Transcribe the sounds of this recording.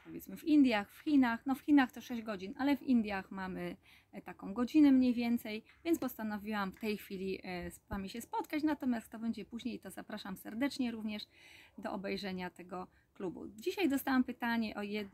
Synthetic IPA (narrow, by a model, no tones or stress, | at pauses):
pɔvʲjɛt̪smɘfind̪ʲjaxfxʲinaxnɔfxʲinaxt̪ɔʂɛʑd͡ʑɡɔd͡ʑinʔalɛvḭnd̪ʲjaxmamɘ | t̪akɔ̃w̃ɡɔd͡ʑinɛmɲejvʲjɛnt̪sɛj | vʲjɛnspɔst̪anɔvʲiwamft̪ɛjxfʲilʲisvamʲiɕɛspɔt̪kat͡ɕnat̪ɔmʲjast̪ːɔbɛɲd͡ʑɛpuʑɲejit̪ɔzapɾaʂamsɛɾd̪ɛt͡ʂɲɛɾuvɲɛʂd̪ɔʔɔbɛjʐɛɲat̪ɛɡɔ | klubṵd͡ʑiɕajd̪ɔst̪awampɘt̪aɲɛʔɔjɛd̪